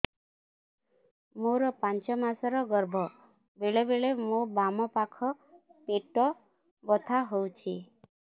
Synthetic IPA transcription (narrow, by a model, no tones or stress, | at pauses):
moɾɔpant͡ʃɔmasɔɾɔɡɔɾbʱɔ | beɭebeɭemobamɔpakʰɔ | peʈɔ | bɔt̪ʰaɦowt͡ʃʰi